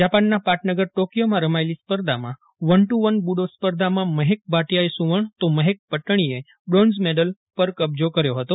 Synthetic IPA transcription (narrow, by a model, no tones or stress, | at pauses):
d͡ʒapanːapaʈnəɡəɾʈokjomãɾəmaelispəɾd̪ʱamã̰ | ʋənʈuʋənbuɽospəɾd̪ʱamãməɦek̚baʈijaesũʋəɳt̪oməɦek̚pəʈɳ̃ie | bɽonzmeɖəl | pəɾkəb̚d͡ʒokəɾjoɦət̪o